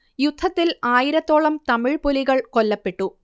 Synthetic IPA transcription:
jud̪ʱːɐt̪ːilaːjiɾɐt̪ːo̞ːɭɐmt̪ɐmɪɻpoliɣɐɭkolːɐpːe̞ʈːu

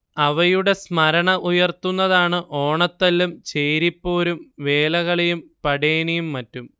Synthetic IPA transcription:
ɐʋɐjuɽe̞smɐɾɐɳɐʔujɐrt̪unːɐðaːɳɨʔo̞ːɳɐt̪ːɐlːumt͡ɕejɾipːo̞ːɾumʋe̞ːlɐɣɐɭejumpɐɽeːnijumːɐtːum

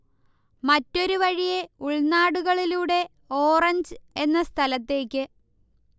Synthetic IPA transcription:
mɐtːo̞ɾuʋɐɻije̞uɭnaːɽuɣɐɭiluːɽe̞ | o̞ːrɐɲd͡ʑɨe̞nːɐst̪ʰɐlɐt̪ːe̞ːkʲːɨ

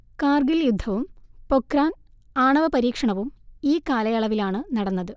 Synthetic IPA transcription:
kaːrɡiljud̪ʱːɐʋumpokraːn | aːɳɐʋɐpɐɾiːkʂɐɳɐʋumiːkaːlɐjɐɭɐʋilaːɳɨnɐɽɐnːɐðɨ

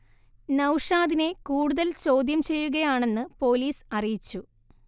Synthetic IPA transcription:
nɐwʂaːðine̞kuːɽuðɐlt͡ɕo̞ːd̪jɐmt͡ɕe̞jːuɣɐjaːɳe̞nːɨpo̞ːliːsɐrijit͡ɕːu

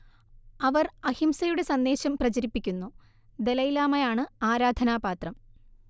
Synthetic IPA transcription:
ɐʋɐrɐhimsɐjuɽe̞sɐnd̪e̞ːɕɐmprɐt͡ɕɐɾipːikʲːunːu | d̪e̞lɐjilaːmɐjaːɳɨaːɾaːd̪ʱɐnaːbaːt̪rɐm

